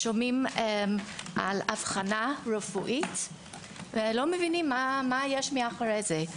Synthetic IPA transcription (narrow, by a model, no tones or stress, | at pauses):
ʃomimemʔa̰lav̥χanaʁefuʔit | velomevinimːamajeʃmeaχaɾejze